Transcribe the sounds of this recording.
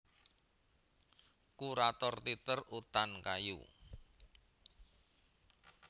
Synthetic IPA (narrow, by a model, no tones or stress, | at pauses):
kuɾat̪ɔrt̪it̪ərut̪ankajṵ